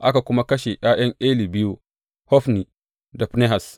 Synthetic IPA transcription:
ʔa˦ka˨kʷʊ˦ma˦kɐ˦ʃe˨ʔj̰aː˦j̰ɐ˦ŋʔeː˦li˨bɪ˦ju˦ | hɔ˦ɸni˨ | da˨ɸne˦ɦa˨s

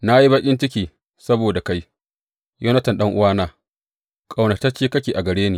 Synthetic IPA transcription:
na˦ji˦bɐ˦kʲʼɪ˦nt͡ʃɪ˦kʲiː˨ | sɐ˦boː˨da˨ka˦j | jo˦nɐ˦tɪ˨nɗɐ˦ŋʔʊ˦waː˦naː˦ | kʼa˨wnɐ˨ta˦t͡ʃeː˦kɐ˦kʲeː˨ʔa˨ɡɐ˨ɽeː˦niː˨

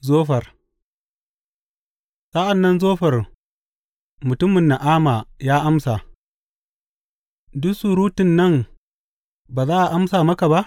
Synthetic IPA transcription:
zoː˦ɸɐ˨r | sa˦ʔa˨nːɐ˦nzoː˦ɸɐ˨r | mʊ˨tʊ˦mɪ˨nːa˨ʔaː˦ma˨jaː˦ʔa˦msa˨ | dʊ˦su˦˨ɾuː˦tɪ˨nːɐ˦ŋ | baː˨zaː˦ʔa˨ʔa˦msaː˨mɐ˦ka˨ba˦ʔ

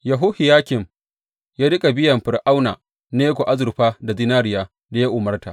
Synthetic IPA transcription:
ja˨ɦʊ˦hɪ˨jaː˦kʲɪ˨m | jaː˦ɽɪ˦kʼa˨bɪ˦jɐ˨mɸɪ˨rʔa˦wna̰ː˨ | neː˦ɡʷo˨ʔa˦zʊ˨rɸaː˦da˨zɪ˦naː˦ɾɪ˦jaː˦ | da˨ja˦ʔʊ˨mɐ˦rta̰˨

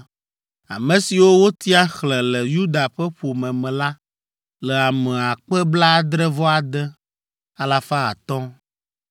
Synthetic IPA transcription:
a̰˨mɛ̃˨si˨wo˦wo˦t̪i˦a˦xlɛ̃˨lɛ˨ju˦d̪a˨ɸɛ˦ɸo˨mɛ̃˨mɛ̃˨la˦ | lɛ˨a˨mɛ̃˨a˨k͡pɛ˦bla˦d̪ɾɛ˦vɔ˦a˨d̪ɛ˦ | a˦la˨fa˦a̰˨t̪ɔ̃˦

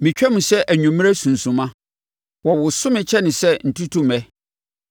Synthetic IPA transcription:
mɪ̃˨t͡ɕᶣɛ˦mʊ̃˨sɛ˦ʔæ˨ɲᶣũ˨m̃˦ɾɛ˦sũ˨n̩˨sũ˨mã˦ | wɔ˨wʊ˨sʊ̃˦mɪ̃˨t͡ɕʰɛ˦nɪ̃˨sɛ˦n̩˨tʰu˦tʰu˦mɛ˦

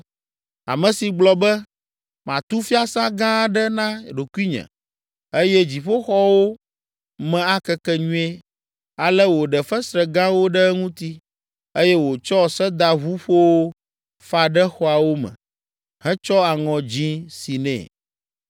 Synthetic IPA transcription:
a̰˨mɛ̃˨si˨ɡ͡blɔ˨bɛ˦ | mã˨t̪u˦fi˦a˦sã˦ɡã˦ɖɛ˦nã˦ɖo˨ku˦i˦ɲɛ̰̃˨ | e˦jɛ˦d͡ʑi˨ɸo˦xɔ˦wo˦ | mɛ̃˨a˦kɛ˦kɛ˦ɲũ˦ɛ˦ | a˨lɛ˦wo˨ɖɛ˨fɛ˦sɾɛ˨ɡã˦wo˦ɖɛ˦ŋũ˦t̪i˦ | e˦jɛ˦wo˨t͡ʃɔ˦sɛ˦d̪a˨ɦu˦ɸo˦wo˦ | fa˨ɖɛ˦xɔ˦a˨wo˦mɛ̰̃˨ | ɦɛ̃˦t͡ʃɔ˦a˨ŋɔ̃˨d͡ʑĩ˦si˨nɛ̰̃˨

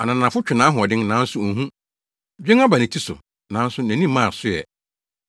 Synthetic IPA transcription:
a˨nã˨nã˨fʊ˦t͡ɕᶣɪ˨nãː˨˦ɦʊ̃˨ɔ˨dɪ̃˦ŋnãː˨˦n̩˦sʊ˦˨ɦũ˦ | d͡ʑᶣẽ˦ŋ˦a˦ba˨nɪ̃˨tʰi˦sʊ̰˨ | nãː˨˦n̩˦sʊ˦næ̃˨nĩ˦˨mːã˦˨sʊ˦jɛ̰˨

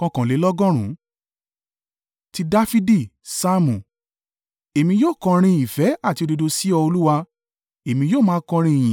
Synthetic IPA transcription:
kɔ̃˧kɔ̃˨le˨˦lɔ˦ɡɔ̃˦ɾ̃ũ˨˦ | ti˧da˦fi˦di˦˨sa˦mũ˨ | e˨mĩ˧joː˦˨kɔ̃˧ɾ̃ĩ˧i˨fɛ˨˦a˦˨ti˧o˧do˧do˧si˦ɔ˧o˧lu˦wa˧ | e˨mĩ˧joː˦˨mãː˦kɔ̃˧ɾ̃ĩ˧˨ĩ˨

